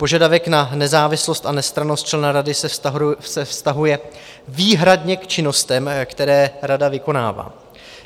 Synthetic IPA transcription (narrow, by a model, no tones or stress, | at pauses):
po̞ʒadavɛknanɛzaːvɪslo̞st̪anɛst̪ɾanost̪̚t͡ʃlɛnaɾadɪsɛsɛfst̪aɦujɛ | viːɦɾadɲɛkt͡ʃɪno̞st̪ɛmkt̪ɛɾɛːɾadavɪko̞na̰ːva̰ː